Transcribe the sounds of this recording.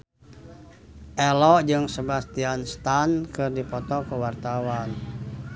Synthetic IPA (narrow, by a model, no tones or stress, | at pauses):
ʔɛlɔd͡ʒɨŋsəbast̪ianst̪ankɨrdipɔt̪ɔkəwart̪awan